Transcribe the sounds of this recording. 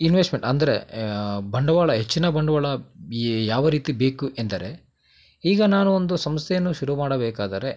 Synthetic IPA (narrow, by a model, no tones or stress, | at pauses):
inʋesʈmeɳʈɐnd̪ɐɾḛ | bɐɳɖɐʋaːɭɐɦet͡ʃːinɐbɐɳɖɐʋaːɭɐ | jaːʋɐɾiːt̪ibe̞ːkuʔend̪ɐɾe̞ | iːɡɐnaːnuond̪usɐmst̪ʰejɐnːuʃuɾumaːɽɐbɛːkaːd̪ɐɾe̞